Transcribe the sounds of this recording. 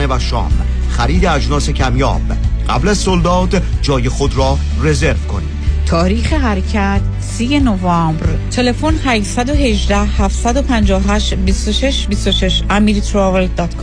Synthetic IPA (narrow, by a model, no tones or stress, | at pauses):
evæʃɒ̰ːm | xæɾiːd̪eæd͡ʒnɒːse̞cʰæmjɒ̰ːb | ɢ̥æ̰blæzsold̪ɒːt̪d͡ʒɒːjexod̪ɾɒː | re̞zeɾvkʰo̰nḭ̥ːt̪ʰɒːɾiːxeɦæɾecʰæt̪ʰ | siːje̞novɒːmbɾt̪ʰe̞le̞fonhæʃsæd̪oɦe̞ʒd̪æhhæft̪sæd̪opʰænd͡ʒɒːoɦæʃbist̪oʃe̞ʃbist̪oʃe̞ʃæmiːɾt̪ʰɾɒveld̪ɒt̪kʰː